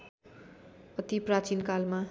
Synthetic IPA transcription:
ʌt̪iprat͡sinkalma

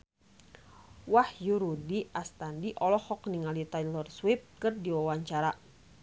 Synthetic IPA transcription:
wahjuɾudiʔast̪andiʔɔlɔhɔkniŋalit̪ajlɔrswip̚kɨrdiwawaɲt͡ʃaɾa

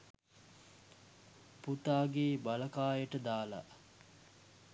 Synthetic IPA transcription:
put̪aːɡeːbaləkaːjəʈəd̪aːla̰

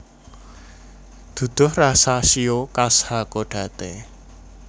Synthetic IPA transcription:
d̪̥ṳd̪̥ʊ̤hrasaʃiokashakoɖ̥ä̤t̪e

